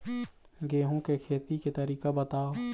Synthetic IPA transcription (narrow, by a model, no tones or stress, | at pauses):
ɡeːɦõkekʰeːt̪iket̪ɐɾiːkabət̪aː